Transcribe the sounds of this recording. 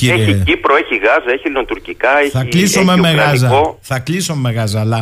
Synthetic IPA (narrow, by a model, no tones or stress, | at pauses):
ciɛiipɾoeçiɣazɐeçilnot̪uɾcikaɛçθɐlisomemeɣaz̬ɐoθɐklisomemeɣazɐla